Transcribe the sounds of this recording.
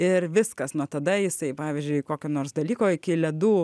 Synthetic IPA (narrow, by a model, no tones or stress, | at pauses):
ɪrʋʲɪskɐsnut̪ɐd̪ɐjɪsɐɪpɑːʋʲɪzʲd͡ʒʲʊɪkoːkʲoːnoːrsd̪ɐlʲiːkoːɪkʲɪlʲɛd̪uː